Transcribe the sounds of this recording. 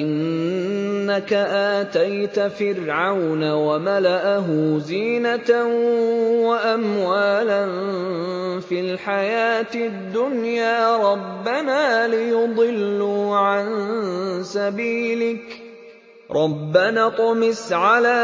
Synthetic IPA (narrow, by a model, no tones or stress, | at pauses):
ʔɪnː | akaʔaːt̪ajt̪fɪɾʕawnawamalaʔaɦʊziːnat̪a | waʔamwaːlan | filħajaːt̪ɪd̪ːʊnjaːɾˤɑbːanaːlɪjʊd̪ˤɨlːuʕan | sabiːlɪk | ɾˤʔɑbːanaːt̪ʊmɪsʕalaː